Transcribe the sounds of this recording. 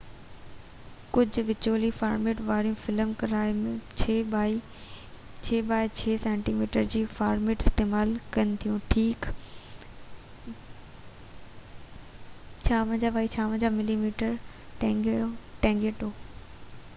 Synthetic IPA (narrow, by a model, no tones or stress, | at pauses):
kʊd͡ʑʱʊ̆ʋɪd͡ʑoːlifaːɾmeːʈʋaːɽijũfɪlmkɐɾaːɪmẽt͡ɕʰeːbaːi | t͡ɕʰeːbaːɪt͡ɕʰeːsɛ̃ːɳʈiːmiːʈəɾd͡ʑiːfaːɾmeːʈɪst̪eːmaːlkɐnɪ̆t̪ʰijũʈʰiːk | t͡ɕʰaːʋə̃d͡ʑabʱaːit͡ɕʰaːʋ̤ə̃d͡ʑamɪlimiːʈəɾ | ʈː | ʈɛ̃ːŋɡeːʈoː